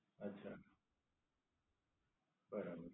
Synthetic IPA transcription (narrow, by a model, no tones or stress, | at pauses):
ɐtːɕʰa | bəɾabəɾ